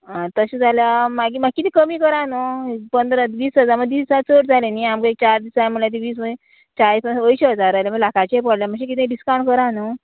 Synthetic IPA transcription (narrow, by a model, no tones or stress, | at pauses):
at̪əɕed͡zʱaljamaɡimaɡ̚kːit̪iːkəmiːkəɾanəpənd̪ɾət̪ʋiːsɦəd͡zaɾməɡ̪ʋiːsisat͡soʈd͡zʱaleniamkaek̚t͡ɕaɾd̪isaməɭjat̪iʋiːsməẽ | t͡ɕaɾisəʋəiɕeəd͡zaɾaleməɡlakʰat͡ɕepəɽljaməɡɕẽk̬it̪ẽɖiskaɳkəɾanə